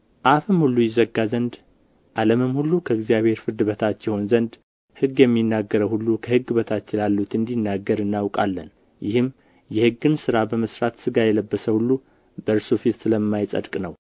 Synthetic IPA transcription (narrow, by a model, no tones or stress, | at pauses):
ʔafɨmhulːujɪzəɡːazənd̪ | ʔaləmɨmhulːukʰəɨɡzijaβhe̞ɾfɨɾd̪ɨbət̪ʰat̪ːjɛho̞nzənd̪ | hɨɡjɛmːinːaɡːəɾəwhulːukʰəhɨɡːɨbət̪ʰat̪t͡ʃːɪlalːut̪ɨnd̪inːaɡːəɾɨnːawkʼa̰lːə̰n | jɪhɨm | jɛhɨɡːɨnsɨɾabəməsɾat̪sɨɡajɛləbːəsəhulːu | bəɾsufit̪sɨləmːajsʼə̰d̪kʼnəw